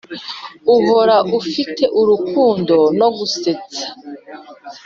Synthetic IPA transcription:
uɦo̞ɾaʔufitʰe̞ʔuɾukuːndo̞no̞ɡuset͡sḁ

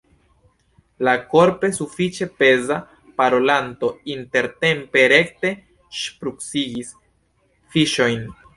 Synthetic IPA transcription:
lako̞ɾpe̞sufit͡ʃe̞pe̞za | paɾo̞lanto̞inte̞ɾte̞mpe̞ɾekte̞ | ʃpɾuksiɡis | fiʃo̞jn

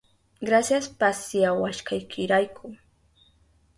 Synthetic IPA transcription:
ɡɾasjaspasjawaʃkʰajkʰɪɾajkʰʊ

